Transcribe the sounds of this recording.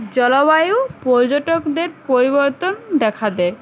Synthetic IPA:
d͡ʑɔlabajupɔɾd͡ʑoʈokd̪eɾpoɾiboɾt̪ond̪ɛkʰad̪ɛ

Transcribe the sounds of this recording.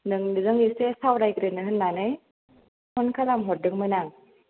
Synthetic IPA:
nɯŋnɯzɯŋisesawɾajɡɾɯnɯɦɯnːanɯj | hɔnkʰalamɦɔt̚dɯŋmɯnaŋ

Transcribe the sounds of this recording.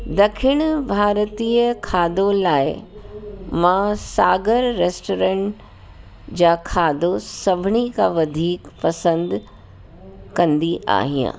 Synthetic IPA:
d̪ɐkʰɪɽ̃ʊbʱaːɾt̪iːəkʰaːd̪olaːɪ | mãsaːɡəɾːeːsʈoːɾə̃ɳʈ | d͡ʑaːkʰaːd̪osɐbʱɪɳikãʋɐd̪ʱiːkpɐsə̃nd̪ | kɐ̃nd̪iʔa̰ːɦijã̰ː

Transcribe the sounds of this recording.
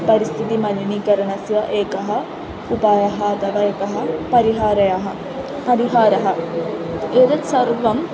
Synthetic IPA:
pɐɾist̪ʰit̪imɐliniːkɐɾɐɳɐsjɐʔeːkɐɦɐ | upaːjɐɦɐːt̪ɐʋaeːkɐɦɐpɐɾiɦaːɾɐjɐɦɐ | pɐɾiɦaːɾɐɦɐ | eːd̪ɐt̪sɐɾʋɐm

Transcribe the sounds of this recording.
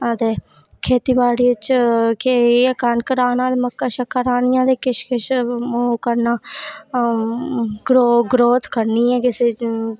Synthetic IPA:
ət̪eː | kʰeːt̪iːbaːɽiːt͡ʃkekənkəɾaːnãːd̪eməkːaːʃəkʰːaɾaːnɪjãːd̪eːkɪʃkɪʃmoːkəɾnaː | ɡɾoːɡɾoːt̪kəɾniːɛ̃ːkɪseː

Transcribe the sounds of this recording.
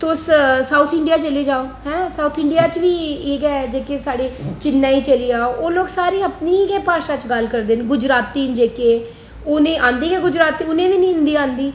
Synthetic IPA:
t̪oʊssaːut̪ʰɪ̃ɳɖijaːt͡ʃəleːd͡ʒaːoːɦɛ̃saːt̪ʰɪ̃ɳɖijaːt͡ʃʋiːeːɡɛːd͡ʒeːkeːsaːɽeːt͡ʃɪnːãːiːt͡ʃəliːaːoʔoːloːɡsaːɾiːəpniːɡɛːpaːʃãːt͡ʃɡəlkəɾd̪eːnɡʊd͡ʒɾaːt̪ːiːnd͡ʒeːkeː | ʊnẽːʔãːnd̪iːɡɛːɡʊd͡ʒɾaːt̪iːʊnẽːʋiːnĩːʊ̃nd̪iːãːnd̪iː

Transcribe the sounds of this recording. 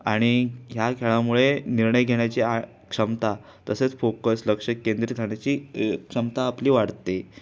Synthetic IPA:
aɽ̃iɦjakʰeɭamuɭeniɾɳəjɡʱeɳjat͡ɕiːa | kʂəmt̪a | t̪əset͡sfokəsləkʂəkːend̪ɾit̪ʰaɳjat͡ɕiːkʂəmt̪aːpliːʋaɽt̪e

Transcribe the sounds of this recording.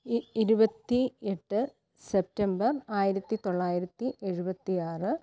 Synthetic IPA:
ɾubɐt̪ːieʈːɨ | sep̚tɐmbɐraːjiɾɐt̪ːit̪o̞ɭːaːjiɾɐt̪ːiʔe̞ɻubɐt̪ːijaːrɨ

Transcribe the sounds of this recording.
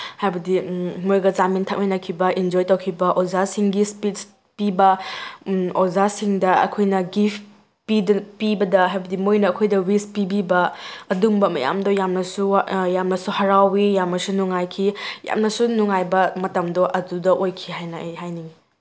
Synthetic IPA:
hajbɐdimojɡɐzamintʰɐk̚mijnɐkʰibɐind͡ʒojtɐwkʰibɐʔozasiŋɡispits | pibɐ | ozasiŋdɐɐ̰kʰojnɐɡip | pidɐpibɐdɐɦajbɐdimojnɐːkʰojdɐwispibibɐɐdumbɐmɐ̰ja̰mdojamnɐsujamnɐsuhɐɾawijamnɐsunuŋajkʰija̰mnɐsunuŋajbɐmɐtɐmdɔʔɐdudɐʔojkʰiɦajnɐejɦajni

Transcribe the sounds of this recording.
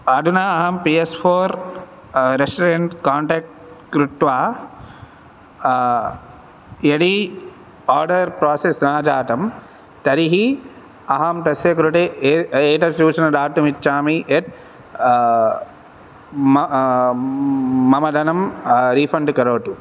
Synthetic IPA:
ɐd̪ʱunaːɐɦɐmpiːespʰoːɾ | ɾesʈɐɾeɳʈkaːɳʈeːk̚ʈkɾuʈ̪ʋaː | jɐɽi | aːɾɖɐɾpɾaːsesnaːd͡ʒaːt̪ɐm | t̪ɐɾiɦi | ɐɦɐmt̪ɐsjɐkɾuʈeeːʈɐsuːsɐnɐd̪aːɾt̪ːumit͡ʃːt͡ʃːaːmiʔet̪̚ | ɐmɐd̪ʱɐnɐmɾiːfɐɳɖkɐɾoːʈu

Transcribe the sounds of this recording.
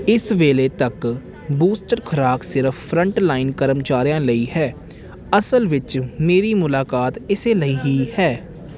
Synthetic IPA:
ɪsʋeːleːt̪ək | buːsʈəɾkʰəɾaːksɪɾəfʰpʰɾə̃ɳʈlaːɪnkəɾəmt͡ʃaːɾjãːləiːɦɛː | əsəlʋɪt͡ʃmeːɾiːmʊlaːkaːt̪ɪseːləiːɦiːhɛː

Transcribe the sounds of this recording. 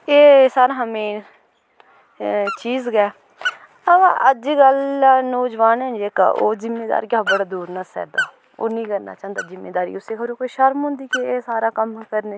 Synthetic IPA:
eːsaːɾaːɦəmeː | t͡ʃiːzɡɛː | əbã̰ːʔəd͡ʒiːɡəlːnoːd͡ʒʋaːnə̃nd͡ʒeːka̰ːʔo̰ːzɪmːeːd̪a̰ːɾiɡaːbəɽaːd̪uːɾnəsɛ̰ːd̪a̰ː | o̰ːnĩːkəɾna̰ːt͡ʃaːnd̪aːzɪmːeːd̪aːɾḭːʊseːkʰəbɾoːkoːiʃəɾmɦʊ̃nd̪iːkeeːsaːɾaːkəmkəɾne

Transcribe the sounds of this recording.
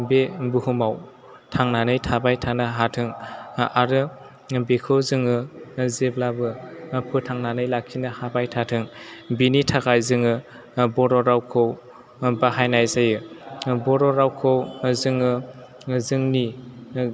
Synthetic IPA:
bebɯhumaw | tʰaŋnanɯjtʰabajtʰanaɦatʰɯŋaɾɯ | bekʰɯwzɯŋɯzeblabɯpʰɯtʰaŋnanɯjlakʰːinɯhabajtʰatʰɯŋbinitʰakajzɯŋɯ | bɔɾɔɾawkʰɯw | baɦajnajzajɯbɔɾɔɾawkʰɯwzɯŋɯ | zɯŋni

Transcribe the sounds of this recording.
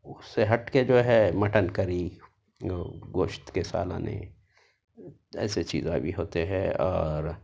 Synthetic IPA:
ʊsːeɦɐʈked͡ʒoːɦɛmɐʈənkɐɾi | oɡoːʃt̪kesa̰ːlã̰ːnḛ | ɛ̰ːset͡ʃḭːzãbʱiɦoːt̪eɦɛ̃ɔːɾ

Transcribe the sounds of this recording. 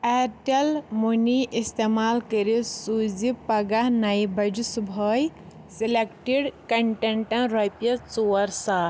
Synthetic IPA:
eʈɐlmuniʔist̪emaːlkəɾisud͡zipɐɡaɦnɐjbɐd͡ʒusubʱəj | silekʈiɽkɐɳʈeɳʈɐ̃nɾɐpjɐt͡suɐɾsa

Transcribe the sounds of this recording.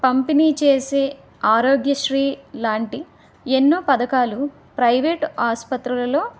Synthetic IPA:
pɐmpiniːt͡ʃe̞ːseː | aːɾo̞ːɡjɐʃɾiːlaːɳʈi | enːoːpɐd̪ɐkaːlu | pɾɐjʋeʈaːspɐt̪ɾulɐlo̞ː

